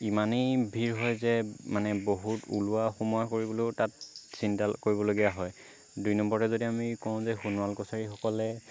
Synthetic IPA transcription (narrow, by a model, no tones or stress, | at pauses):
imanejbʱiɹɦɔjzɛmanɛboɦutṵluaxomujakoɹibɔlotat̚sintakoɹibɔloɡijaɦɔj | dujnɔmbɔɹtɛzodiamikɔʊ̃zɛxunuwalkɔsaɹixɔkɔlɛ